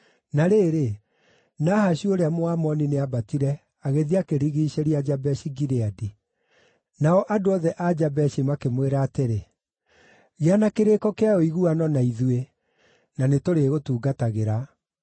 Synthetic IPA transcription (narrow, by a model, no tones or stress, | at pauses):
naɾeːɾe | naːhaɕioɾeamoamɔnineabatiɾɛ | aɣeðiakeɾiɣiɕeɾiad͡ʒabɛɕiɡiɾeadi | naɔʔadoɔðɛʔad͡ʑabɛʃimakemweɾaːteɾe | ɣeanakeɾekɔkeajɔiɣuanɔnaiðwe | nanetoɾeɣotuːɡataɣeɾa